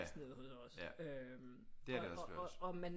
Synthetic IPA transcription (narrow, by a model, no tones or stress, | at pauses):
sneð̩ˠhosɒ̽søm | d̥e̝æɐɾeɒ̥̽ɒ̽mæn